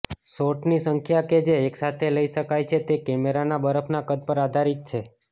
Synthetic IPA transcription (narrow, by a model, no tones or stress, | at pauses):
soʈnisəŋkʰjaked͡ʒeːksat̪ʰeləiʃəkajt͡ʃʰet̪ekɛmeɾanabəɾəpʰnakəd̪̚pəɾad̪ʱaɾit̪̚t͡ʃʰe